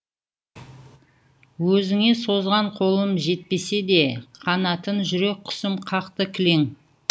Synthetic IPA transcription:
wɵzɪŋe̞so̞zʁɑɴqʰo̞lˠəmʒe̞t̪̚pe̞se̞d̪e̞qʰɑnɑt̪ənʒʏɾe̞k̚ʲʰːʏ̥sɪmqʰɑqt̪əkʲʰɪle̞ŋ

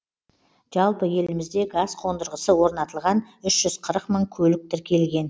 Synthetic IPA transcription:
ʒ̥ɑlˠpəje̞lɪmɪzd̪e̞ɡɑsqʰo̞nd̪əɾʁəsəwo̞ɾnɑt̪əlˠʁɑnʏʃʒ̥ʏzqʰəɾəqməɴkʲʰɵlɪk̚t̪ɪɾkʲʰe̞lɡʲe̞n

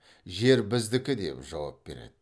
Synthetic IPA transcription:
ʒe̞ɾbɪzd̪ɪkʲɪd̪e̞̰pʒɑwɑ̰p̚be̞ɾe̞̰d̪ɪ

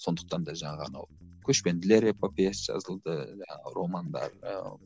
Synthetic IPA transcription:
so̞nd̪ə̥q̚t̪ɑnd̪ɑʒɑɴɑʁənɑ̰wkʲʰɵʃpe̞nd̪ɪle̞ɾepopesʒ̥ɑ̰zəlˠd̪əʒɑɴɑəɾo̞mɑnd̪ɑ̰ɾə̰

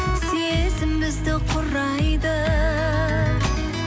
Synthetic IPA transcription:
sezɪmɪzd̪ɪqʰʊɾɑjd̪ə

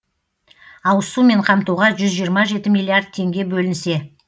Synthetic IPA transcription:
ɑwəsume̞ɴqʰɑmt̪uʁɑʒʏzʒijəɾmɑʒe̞t̪ɪmijlʲˠːiard̪̚t̪ʰe̞ŋɡʲe̞bɵlɪnse̞

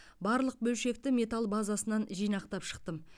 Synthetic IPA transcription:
bɑɾlˠəq̚bɵlʃe̞k̚t̪ɪme̞t̪alˠbazasənɑnʒijnɑqt̪ɑpʃə̥q̚t̪əm

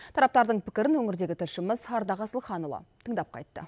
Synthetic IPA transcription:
t̪ʰɑɾɑp̚t̪ɑɾd̪əɴpʰɪ̥kʲɪɾɪnwɵŋɪɾd̪e̞ɡʲɪt̪ʰɪlʃɪməzɑɾd̪ɑʁɑsəlˠχɑnulˠɑ̰t̪ʰəɴd̪ɑp̚qʰɑ̰jt̪ːə̰

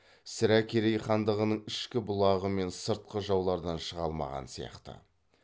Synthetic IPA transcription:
sɪɾækʲʰeɾejχɑnd̪əʁənəɴɪʃkʲɪbʊlˠɑʁəme̞nsəɾt̪̚qəʒɑwlˠɑɾd̪ɑnʃəʁɑlˠmɑ̰ʁɑ̰nsijɑ̰qt̪ə̰

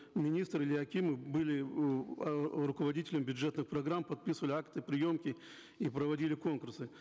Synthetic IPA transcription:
mʲɪnʲist̪ɾɨlʲɪɐkʲimɨbɨlʲɪ | ɾʊkəvɐdʲitʲɪlʲəmbʲʊʐɛt̪nɨxpɾɐɡɾampɐt̪̚pʲisɨvəlʲɪakt̪ɨpɾʲɪjo̞mkʲɪ | ipɾəvɐdʲilʲɪko̞nkʊrsɨ

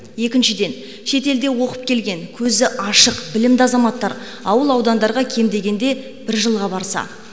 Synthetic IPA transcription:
je̞kʲɪnʃɪd̪e̞n | ʃe̞t̪e̞ld̪e̞wo̞qəp̚kʲe̞lɡʲe̞ŋkʲʰɵzɪʔɑʃəqbɪlɪmd̪ɪɑzɑmɑt̪ːɑɾ | ɑwəlˠɑwd̪ɑnd̪ɑɾʁɑkʲʰe̞md̪e̞ɡʲe̞nd̪e̞ | b̥ɪɾʒəlˠʁɑbɑɾsɑ̰

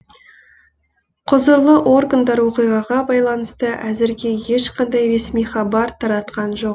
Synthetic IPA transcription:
qʰʊzəɾlˠəʔo̞rɡənd̪ɑɾwo̞qijʁɑʁɑbɑjlˠɑnəst̪əʔæzɪɾɡʲe̞je̞ʃqɑnd̪ɑjɾe̞smijχɑbɑɾt̪ʰɑɾɑt̪qɑnʒo̞q

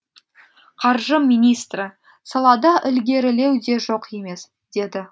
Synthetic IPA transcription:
qʰɑɾʒəmijnijst̪rə | sɑlˠɑd̪ɑʔɪlɡʲe̞ɾɪle̞wd̪e̞ʒo̞qje̞me̞s | d̪̥e̞d̪ɪ

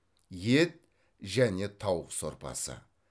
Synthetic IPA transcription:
je̞t̪̚ | ʒæne̞t̪ʰɑwəqso̞ɾpɑ̰sə̰

